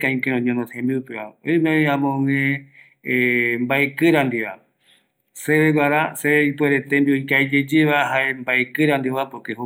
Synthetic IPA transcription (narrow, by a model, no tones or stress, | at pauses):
kãĩkeɾõɲõnosẽmbiupeβa̰ojmeoj̃ãmõŋẽ | mbaekɨɾãnd̪iβa̰ | seβeɡʷaɾaseipweɾet̪embiojkaed͡ʒed͡ʒeβaɦaembaekɨɾãnd̪ioβapokeɦu